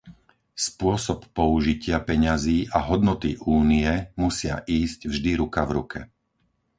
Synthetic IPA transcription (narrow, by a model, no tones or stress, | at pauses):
spʊɔsɔpːɔuʒicɪapɛɲaziːʔaɦɔd̪nɔt̪iʔuːnijɛmusɪa̰ʔiːzcvʒd̪iɾukavɾukʰɛ̰